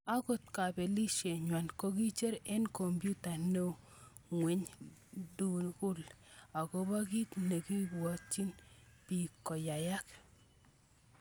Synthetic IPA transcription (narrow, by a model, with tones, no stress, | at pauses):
a˦ko˨t̪ka˨bɛ˨li˦ʃe˨ɲwa˨nko˦ki˦t͡ʃe˦ɾɛ˦nko˨mbju˦ta˨ne˦ | ŋwe˨ɲdu˨kʊ˦la˨kɔ˦ba˦ki˦tne˨ki˦bwɔ˨t͡ʃːi˦npi˨kːɔ˨ja˨ja˦k